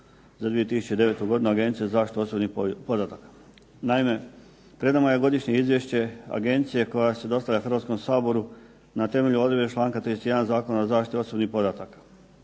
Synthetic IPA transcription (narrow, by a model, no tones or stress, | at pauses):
zad̪ʋie̞t̪isu̥t͡ɕed̪e̞ʋet̪uɡo̞d̪inuaɡe̞nt̪sijezaːʃti̥t̪eosobnipod̪at̪ak | naime̞ | pɾed̪amojeɡo̞d̪iʃɲe̞izʋʲjeʃt͡ɕe̞a̰ɡe̞nt̪sije̞ko̞jase̞d̪o̞st̪aʋlʲʎaxɾ̩ʋaːt̪sko̞msaːbo̞ɾu | nat̪e̞me̞ʎuod̪ɾibet͡ʃlˠaːŋkat̪ɾiset̪ije̞d̪anzaːko̞naozaːʃt̪i̥t̪io̞sobnipo̞d̪at̪aka